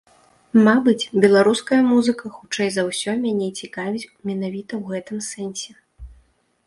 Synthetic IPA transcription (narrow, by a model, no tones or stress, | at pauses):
mabɨt͡sʲbʲɛlˠaɾuskɐjɐmuzɨkɐxut͡ʂɛjzɐwsʲɔmʲanʲɛt͡sʲikavʲit͡sʲmʲɛnavʲit̪ɐwɣɛt̪ɨmsɛnʲsʲɛ